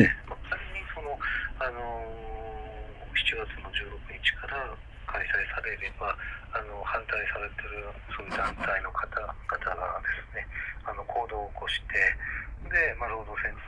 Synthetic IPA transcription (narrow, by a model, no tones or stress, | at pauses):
emakaɾʲiɲiso̞no̞ano̞ | çi̥t͡ɕiɡat͡sɨno̞d͡ʑɨːɾo̞kɯ̟ɲ̟it͡ɕi̥kʰaɾa | kʰaisaisaɾe̞ɾe̞baːno̞hãnt̪aisaɾe̞t̪e̞ɾɯ̟soːjɯ̟d̪ãnt̪aino̞kʰat̪aɡ̥at̪ʰaɡa̰d̪e̞sɨ̥ne̞ano̞kʰo̞ːd̪o̞ːko̞ɕi̥t̪ʰe̞d̪e̞maɾoːd̪osẽ̞n